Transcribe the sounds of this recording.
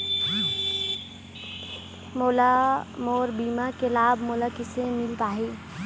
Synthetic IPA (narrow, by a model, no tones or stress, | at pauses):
moːlamoːɾbiːmakelaːbʱmoːlakɪsẽmɪlt̪aːɦeː